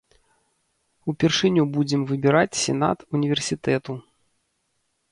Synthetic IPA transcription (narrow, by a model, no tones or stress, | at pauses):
upʲɛrʂɨnʲubud͡zʲɛmvɨbʲɛɾat͡sʲsʲɛna̰t̪unʲivʲɛrsʲit̪ɛt̪u